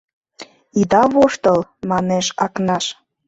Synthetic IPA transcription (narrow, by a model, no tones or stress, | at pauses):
id̪ɑβoʃt̪əlmɑneʃɑknɑʃ